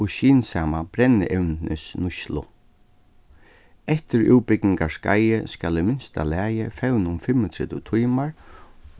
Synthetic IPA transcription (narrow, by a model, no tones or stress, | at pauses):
ʊʃiːnsaːmab̥ɾɛnːɪ̰ʔɛwnnɪsnʊʃlʊ̰ | ɛht̪ɪɾṵːwpɪknɪŋkaska̰jɪskaːlɪmɪnst̪a̰læːjɪfɛwnʊmfɪmːət̪ʰɾɛt̪ɪt̪ʰujmaɹ